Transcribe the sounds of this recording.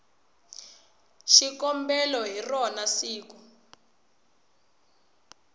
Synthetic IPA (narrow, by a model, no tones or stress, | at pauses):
ʃikɔmbɛlɔɦirɔnasiːku